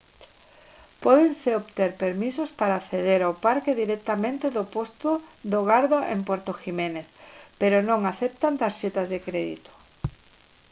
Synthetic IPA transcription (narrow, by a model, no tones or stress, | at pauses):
pɔðeŋseoβt̪eɾpeɾmisospaɾaːθeð̞eɾawpaɾkeðiɾɛk̚t̪amẽnt̪eðopost̪oðoɣaɾðoʔḛmpweɾt̪oximẽneθpeɾʊnõŋaθɛp̚t̪ant̪asʃet̪azðekɾeðḭt̪o̥